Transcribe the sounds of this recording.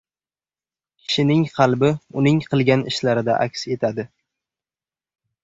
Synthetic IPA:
kʲʰɪ̥ʃɪnɪŋqʰɑlˠbɪʊnɪŋqʰɨlˠɡʲanɪ̰ʃlaɾɪd̪a̰ʔa̰kʲse̞t̪ʰad̪ɪ

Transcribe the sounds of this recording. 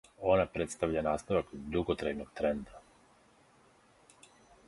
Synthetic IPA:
o̞napɾe̞t̪st̪aʋʎanaːst̪aʋakd̪uɡot̪ɾajnoɡ̚t̪ɾe̞nd̪a

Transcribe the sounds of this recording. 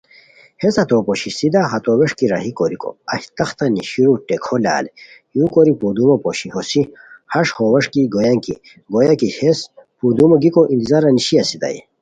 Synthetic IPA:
hesɐt̪opoɕisid̪aɦɐt̪oweʂkiɾa̰ɦikoɾiko̰ɐhit̪ɐxt̪ɐniɕiɾuʈekʰola̰ːle | jũːkoɾipud̪umopoɕiɦosihɐʂhowɐʂkiɡojɐŋkḭ | ɡojakihespud̪umoɡikoʔĩnt̪izaɾɐniɕiɐsid̪ɐ̰jḭ

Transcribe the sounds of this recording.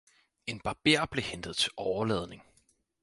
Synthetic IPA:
e̝nb̥ɑ̈b̥ḛɐ̰b̥le̝hend̥əð̞̩ˠt͡sʰe̝lʔɒʊɐlɛːð̞ˠne̝ŋ

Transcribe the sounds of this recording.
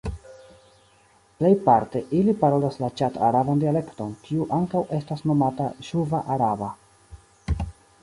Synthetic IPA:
ple̞jpaɾte̞ʔilipaɾo̞laslat͡ʃata̰ɾabandiale̞kto̞nkʰiuʔaŋkawe̞stasno̞mataʃuvaʔaɾaba

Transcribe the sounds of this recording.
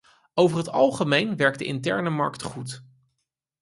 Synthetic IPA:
owvəɹɦətɑlˠχəmejnʋɛɹk̚də̰ʔɪ̰ntɛɹnəmɑ̰ɹktχut

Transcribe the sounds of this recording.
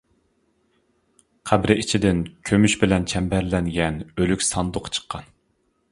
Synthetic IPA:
qʰæbɾɪit͡ʃʰid̪ɪnkʲʰømyʃbɪlɛnt͡ʃʰɛmbɛɾlɛnɡʲɛnølykʲsɑnd̪ʊqʰt͡ʃʰə̥qʰːɑn

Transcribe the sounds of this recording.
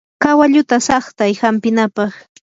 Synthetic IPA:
kawaʎʊt̪asɑχt̪ajhampɪnapɑχ

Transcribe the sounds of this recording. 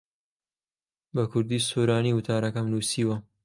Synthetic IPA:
bɐkʰʊɾd̪iːsoːɾaːniːwʊt̪ʰaːɾɐkɐmlusiːwɐ

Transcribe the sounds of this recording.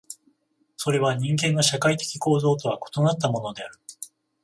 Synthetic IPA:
so̞ɾe̞βaɲ̟ĩŋɡẽ̞nːoɕakait̪e̞̥kʲi̥ko̞ːzo̞ːt̪o̞β̞ako̞̥t̪o̞nat̪ːamo̞no̞d̪e̞aɾɯ̟

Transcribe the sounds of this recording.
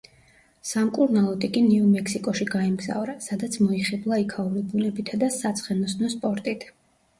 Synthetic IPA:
samkʼuɾnalˠɔt̪ʼikʼiniumɛkʰsikʼɔʃiɡaimɡza̰vɾasad̪at̪sʰmɔiχɛblˠaikʰauɾibunɛbit̪ʰad̪asat̪sʰχɛnɔsnɔspʼɔɾt̪ʼit̪ʰ

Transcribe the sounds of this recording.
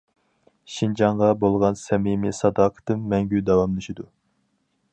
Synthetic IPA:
ʃind͡ʒɑɴʁɑbolˠʁɑnsɛmimɨsɑd̪ɑːqʰə̥t̪ɨmːɛŋɡʲyd̪ɑwɑmlˠɨʃid̪u

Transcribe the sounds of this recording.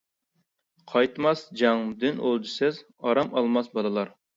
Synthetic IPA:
qʰɑjt̪mɑsd͡ʒɑŋd̪ɪnolˠd͡ʒisɛz | ɑɾɑmɑlˠmɑsbɑd̪ɨlˠɑɾ

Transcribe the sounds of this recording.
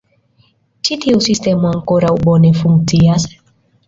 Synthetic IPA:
t͡ʃit̪ʰiusistɛmwaŋ̩kɔɾauɓɔnɛfuŋtiasḁ

